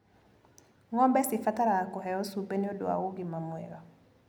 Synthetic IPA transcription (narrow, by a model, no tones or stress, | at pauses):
ŋɔmbɛsifataɾaːkɔɦɛɔsubeniodo̰a̰oɡimamwɛ̰ɾɔ